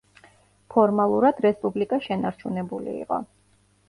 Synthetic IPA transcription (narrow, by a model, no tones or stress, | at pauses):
pʰɔɾmalˠuɾad̪̥ɾɛspʼublikʼaʃɛnaɾt͡ʃʰunɛbulḭːqʼɔ̰